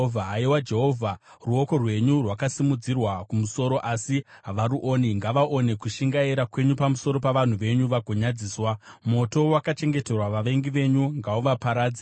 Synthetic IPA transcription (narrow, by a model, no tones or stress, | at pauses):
vʱaːiwad͡ʒe̞ɦovʱa | ruo̞ko̞rwe̞ɲurwakasimud͡zirwakumuso̞ɾo̞ʔasiɦaʋaɾuʔoːniŋɡaʋaʔo̞ne̞kuʃiŋɡaiɾakwe̞ɲupamuso̞ɾo̞paʋan̤uʋe̞ɲuʋaɡʱoɲad͡ziːswamo̞to̞wakat͡ʃe̞ŋɡe̞te̞rwaʋaʋe̞ŋɡiʋe̞ɲuŋɡauʋapaɾaːd͡zi